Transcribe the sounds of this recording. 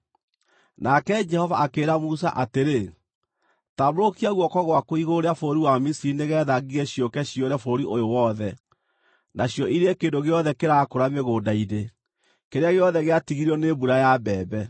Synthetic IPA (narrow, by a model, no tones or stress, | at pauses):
nakɛd͡ʒɛhɔvaakeːɾamusaʔateɾe | tamoɾokiaɣwɔkɔɣwakoiɣoɾeafoɾiwamisiineɣɛːðaɣiɣeɕjɔkɛɕijɔɾɛfoɾiʔojowɔðɛ | nʔaɕjɔʔiɾeekeːndoɣeɔðɛkeɾakoɾameɣoːdaiɾe | keɾeaɣeɔðɛɣeatiɣiɾiɔnebuɾajabɛːbɛ